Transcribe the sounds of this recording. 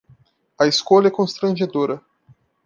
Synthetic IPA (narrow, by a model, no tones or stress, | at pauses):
ɐeskolɐɛkõst̪ɾɐ̃ʒed̪oɾɐ